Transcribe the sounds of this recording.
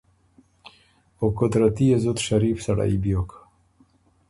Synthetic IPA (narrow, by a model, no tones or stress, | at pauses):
okot̪ɾat̪iezot̪ʃaɾifsaɽa̰ibjok